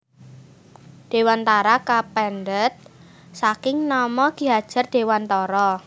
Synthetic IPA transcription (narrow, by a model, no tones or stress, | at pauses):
ɖ̪̥e̤want̪aɾakapɛndət̪̚ | sakɪŋnɔmɔɡ̥i̤ɦad̥ʒ̥a̤rd̪̥e̤want̪ɔɾɔ